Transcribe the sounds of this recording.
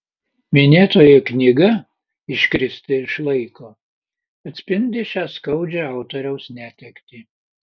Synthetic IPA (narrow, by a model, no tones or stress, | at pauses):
mʲɪnʲeːt̪oːjɛknʲɪɡɐ | ɪʃʲkɾʲɪsʲt̪ʲɪɪʃlˠɐɪkoː | ɐt̪ʲsʲpʲɪnʲd̪ʲɪʃʲæːskɐʊd͡ʒʲɛɐˑʊt̪oːɾʲɛʊsnʲæːt̪ʲɛkt̪ʲiː